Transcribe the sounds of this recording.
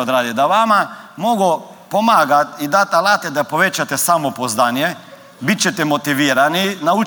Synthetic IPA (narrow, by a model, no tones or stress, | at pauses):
od̪ɾad̪id̪aʋamamoɡɔ | pomaːɡat̪id̪at̪alat̪ɛd̪apoʋet͡ʃat̪ɛsamɔpozd̪anjɛ | bit̪̚t͡ʃɛt̪ɛmot̪iʋiːɾaninau